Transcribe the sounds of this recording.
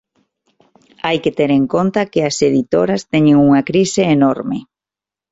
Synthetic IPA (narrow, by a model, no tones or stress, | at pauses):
ajket̪eɾeŋkont̪ɐkɪɐseðit̪oɾɐst̪ɛɲeŋuŋɐkɾisɪːnoɾmɪ